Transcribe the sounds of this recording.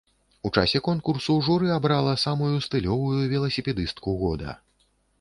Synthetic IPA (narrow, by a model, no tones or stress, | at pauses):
ut͡ʂa̰sʲɛkɔnkursuʐuɾɨabɾalˠɐsamujust̪ɨlʲɔvujuvʲɛlˠɐsʲipʲɛd̪ɨst̪kuɣɔd̪ɐ̰